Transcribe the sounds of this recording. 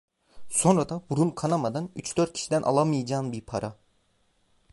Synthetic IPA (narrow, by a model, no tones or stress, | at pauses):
so̞nɾad̪abuɾumkʰanamad̪anyt͡ʃd̪øɾt̪̚cʰi̥ʃid̪ænʔa̰lˠamɯjad͡ʒaːnbiɾpʰaɾʔa